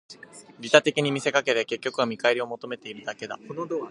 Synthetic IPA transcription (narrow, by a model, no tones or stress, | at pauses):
ɾʲit̪at̪e̞kʲiɲ̟imʲise̞kake̞t̪eke̞kʲːo̞kɯ̟amʲikaiɾʲio̞mo̞t̪o̞me̞t̪e̞iɾɯ̟d̪ake̞d̪a̰od̪o